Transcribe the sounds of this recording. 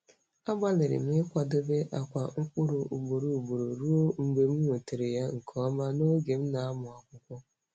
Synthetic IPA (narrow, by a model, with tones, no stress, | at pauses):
a˦ɡ͡ba˦lɪ˨ɾɪ̰˨m˦ɪ˦kʷa˨do˦be˦ʔa˨kʷa˨ŋ̩˦kʊ˦ɾu˨ʔu˨ɡ͡bo˨ɾu˨bo˨ɾo˨ɾu˦o˦ŋ͡m̩˨ɡ͡be˨m̩˦o˨te˨ɾe˨ja˦ŋ̩˨kʰɔ˦ma˦no˦ɡe˨m̩˦na˨a˦mʊ˨a˨kʷʊ˦kʷʊ˦